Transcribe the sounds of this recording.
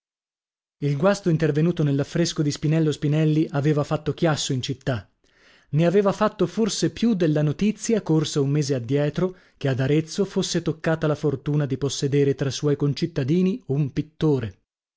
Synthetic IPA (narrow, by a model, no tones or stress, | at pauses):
ilɡwast̪oint̪ervenuːt̪onelːafːɾeskod̪ispinɛlːospinɛlːiʔaveːvafat̪ːok̟jasːoint͡ʃit̪ːa | neaveːvafat̪ːoforsepjud̪ːelːanot̪it̪sːjakorsaummeːzead̪ːjɛːt̪ɾo | k̟ead̪aɾet̪sːofosːet̪okːaːt̪alafort̪uːnad̪iposːed̪eːɾet̪ɾasːwɔjkont͡ʃit̪ːad̪iːniumpit̪ːoːɾe